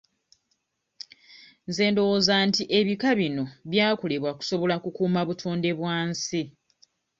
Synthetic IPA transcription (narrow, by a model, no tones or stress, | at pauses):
nze̞ːndo̞woːzaːntiʔe̞βikaβino̞βjaːkole̞βwaku̥so̞βo̞lakukuːmaβutʰoːnde̞βwaːnsi